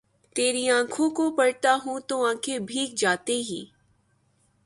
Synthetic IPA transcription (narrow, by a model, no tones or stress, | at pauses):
t̪eːɾiãːkʰõkopɐɽt̪aɦũt̪oãːkʰebʱiːk̚d͡ʒaːt̪eɦḭː